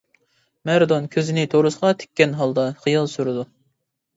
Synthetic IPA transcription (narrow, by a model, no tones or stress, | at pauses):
mɛɾd̪onkʲʰøzɪnɪt̪ʰoɾusəʁɑt̪ʰe̥kʲːɛnɦɑlˠd̪ɑχijɨlˠsuɾɨd̪u